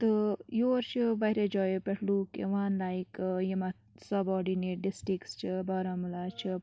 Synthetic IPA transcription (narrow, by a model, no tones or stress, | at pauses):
t̪ɨjoːɾt͡ʃʰiʋɐjɾed͡ʒɔːjepɛʈʰluːkḛʋaːnlaːikjimɐ | sɐbɔːɾɖineːʈ̚ɖɪsʈɾikst͡ʃʰibaːɾamulaːt͡ʃʰi